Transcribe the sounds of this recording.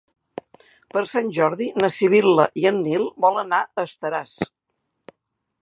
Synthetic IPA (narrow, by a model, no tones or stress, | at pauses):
pəɾsanʲʒɔɾðinəsiβ̞iləʔiənːilˠbɔlˠənaʔəst̪əɾas